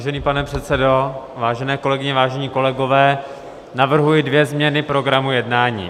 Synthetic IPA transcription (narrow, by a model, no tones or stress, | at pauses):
ʒɛniːpanɛpr̥ɛt̪t͡sɛdovaːʒɛnɛːko̞lɛɡɪɲɛvaːʒɛɲiːko̞lɛɡo̞vɛː | navr̩ɦujɪdvjɛzmɲɛnɪpɾo̞ɡɾamujɛdnaːɲḭː